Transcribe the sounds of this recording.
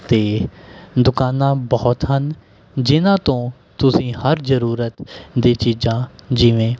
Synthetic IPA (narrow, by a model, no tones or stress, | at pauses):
t̪eːd̪ʊkaːnãːbɔːt̪ɦən | d͡ʒɪnãːt̪õː | t̪ʊsĩːhəɾzəɾuːɾət̪d̪eːt͡ʃiːzãːd͡ʒɪʋẽː